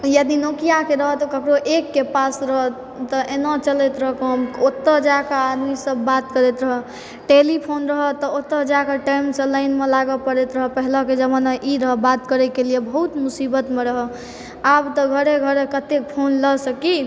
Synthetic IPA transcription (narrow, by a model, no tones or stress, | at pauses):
jəd̪inokijakeɾəɦət̪ɔkəkɾoʔekːepasɾəɦə | t̪ɔʔenat͡ʃəlɛt̪ɾəɦkəmot̪ːəd͡ʒakəad̪misəbːat̪kəɾɛt̪ɾəɦɔ | ʈelipʰonɾəɦət̪ɔot̪ːəd͡ʒakəʈajmsə̃ləɪnmelaɡəpəɾɛt̪ɾəɦəpəɦləked͡ʒəbənaʔiɾəɦəbat̪kəɾɛkelijebʱəɦut̪musibət̪meɾəɦə | abt̪ɔɡʱəɾeɡʱəɾekət̪ek̚pʰonləsəki